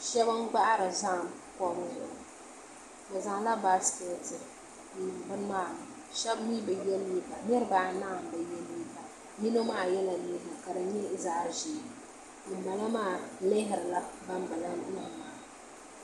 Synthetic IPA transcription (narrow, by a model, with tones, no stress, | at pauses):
ʃɛ˦ba˦ŋ˦ɡ͡ba˦ʔɾɨ˨za˦˨mkɔ˦m˦zʊ̰˨ʔ | ba˨za˨ŋ˨˦la˦ba˦skɛ˦tɨ˨ | n̩˦˨˦bɨ˦n˦maː˦˨ | ʃɛ˦bniː˦bɨ˨jɛ˦li˦ba˨nɪ˦ɾɨ˦baː˦na˦˨m˨˦bɨ˨jɛ˦lːiː˦ba˨ | mi˦no˦maː˦˨jɛ˦la˨ni˦ba˨ka˨dɨ˨ɲɪ˦za˦˨ʒi˨ | nɨ˨ba˨la˦maː˦˨lɪ˦ɦɪ˨ɾɨ˨la˦ba˦m˦bɨ˨la˦n˦i˦ha˨maː˨˦